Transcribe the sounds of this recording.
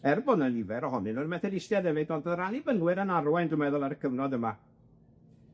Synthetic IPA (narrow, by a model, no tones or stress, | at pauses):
ɛrbɔnənɪvɛɾɔɦɔnɨnɔrmɛθɛdɪstjaðɛvɨdɔndəranibəŋwɪɾənaɾwɛndʊmɛðʊlˠaɾəkʰəvnɔðəma